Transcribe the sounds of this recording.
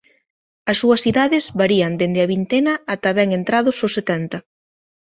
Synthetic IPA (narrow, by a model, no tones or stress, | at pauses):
ɐsːuɐsiðaðɪzβaɾiɐnd̪end̪ɪɐβ̞int̪enɐat̪aβɛŋent̪ɾaðʊsosːet̪ɛnt̪ɐ